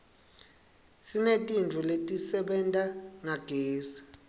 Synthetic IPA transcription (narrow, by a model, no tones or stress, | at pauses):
sinetʼint͡fuletʼisɛɓɛntʼaŋaɡ̥ʱeːsḁ